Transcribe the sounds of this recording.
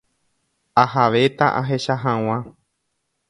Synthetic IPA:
ahaʋe̞t̪aʔaɦe̞ʃaɦãw̃ã

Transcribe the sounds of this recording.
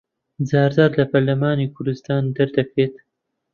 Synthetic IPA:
zaːɾd̪aːɾlɐpʰɐɾlɐmaːniːkʰʊɾd̪ɨst̪aːnd̪ɨɾd̪ɐkɾeːt̪̚

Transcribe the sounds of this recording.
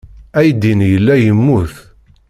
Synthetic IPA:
æjd̪injəlːæjəmːuθ

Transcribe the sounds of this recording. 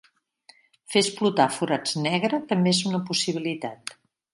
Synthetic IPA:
fesplut̪afuɾad͡znɛɣ̞ɾət̪əmbeezunəpusiβ̞ilit̪at̪

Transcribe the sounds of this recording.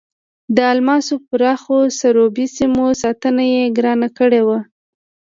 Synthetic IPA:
d̪əalmɑsopʊɾɑxosaɾobisimosɑt̪ənajeɡɾɑnakəɽewa

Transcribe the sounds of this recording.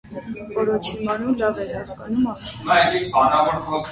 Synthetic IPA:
vɔɾɔt͡ʃʰimɑnulːɑvɛɾhɑskɑnumɑɾʰnɑjliɾpɑnɑvɔɾɔ

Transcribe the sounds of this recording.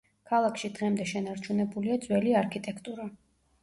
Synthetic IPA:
kʰalˠakʰʃid̪ʁɛmd̪ɛʃɛnaɾt͡ʃʰunɛbuliad̪zwɛliaɾkʰit̪ʼɛkʰt̪ʼuɾa

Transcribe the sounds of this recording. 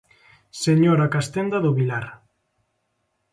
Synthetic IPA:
seɲoɾakast̪end̪aðʊβilaɾ

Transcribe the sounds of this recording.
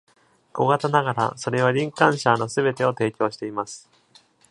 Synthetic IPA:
ɡ̥o̞ɡat̪anaɡaɾa̰so̞ɾe̞β̞aɾʲĩŋkãɰ̃ɕano̞sɨbe̞t̪e̞o̞t̪e̞ːkʲo̞ːɕi̥t̪e̞imasɨ̥

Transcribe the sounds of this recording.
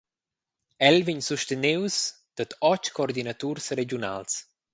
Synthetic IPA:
ɛlviɲsuʃt̪enews | d̪̥ət̪ɔt͡ʃkoɔrd̪inat̪uɾsɾed͡ʒjuna̰ls

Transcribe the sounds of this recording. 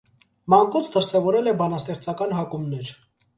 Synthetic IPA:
mɑŋkut͡sʰd̪əɾsɛvɔɾɛlɛbɑnɑst̪ɛχt͡sʰɑkɑnɦɑkumnɛɾ

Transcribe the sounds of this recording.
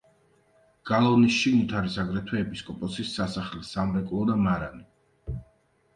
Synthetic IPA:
ɡ̥alˠɔvnisʃiɡnit̪ʰaɾisaɡɾɛt̪ʰwɛːpʼiskʼɔpʼɔsisːasaχlɛsamɾɛkʼlˠɔd̪amaɾani

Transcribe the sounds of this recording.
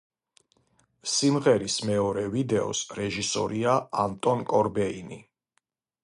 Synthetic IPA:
simʁɛɾismɛɔɾɛvid̪ɛɔ̰sɾɛʒisɔ̰ɾiaant̪ʼɔnkʼɔɾbɛinḭ

